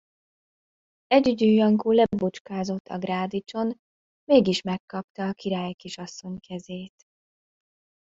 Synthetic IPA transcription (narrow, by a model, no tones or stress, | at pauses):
ɛɟyɟyːjɒŋkuːlɛbut͡ʃkaːzo̞t̪ːɒ̰ɡraːd̪it͡ʃo̞n | meːɡiʃmɛkːɒpt̪ɒːkiɾaːjkiʃɒsːo̞ɲkʰɛzeːt̪